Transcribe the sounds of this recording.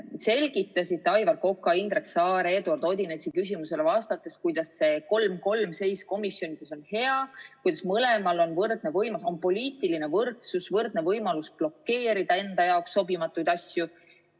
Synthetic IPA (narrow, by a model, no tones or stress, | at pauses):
se̞lʲɡ̥it̪ːˑɑsʲit̪ːeɑjvɑrko̞kːˑɑind̪ɾe̞ksɑːɾeːd̪uɑrd̪o̞d̪ʲinet̪ʲsikys̬ʲimuse̞le̞vɑːst̪ɑt̪ːˑeskujd̪̥ɑsːe̞ko̞lmko̞lmse̞jsko̞misjo̞nʲid̪eso̞nhe̞ɑkujd̪̥ɑ̥smɤle̞mɑlo̞nvɤrd̪̥̚ne̞vɤjmɑso̞npo̞lʲiːt̪ˑiline̞vɤrt̪susvɤrd̪̥̚ne̞vɤjmɑlusb̥lo̞kːe̞ːɾid̪̥ɑe̞nd̪ɑjɑoksːo̞bimɑt̪ːˑujd̪̥ɑsʲju